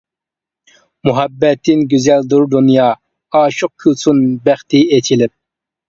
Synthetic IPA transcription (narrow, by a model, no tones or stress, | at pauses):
muɦɛbːɛt̪ʰːɪnɡʲyzɛld̪uɾd̪unjɑː | ɑːʃoq̚kʲʰysʰunbæχt̪ʰɪet͡ʃʰilɪp̚